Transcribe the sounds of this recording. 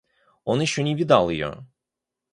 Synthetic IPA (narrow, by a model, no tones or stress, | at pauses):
onuʃunʲibid̪ɛaalˠɯjo̰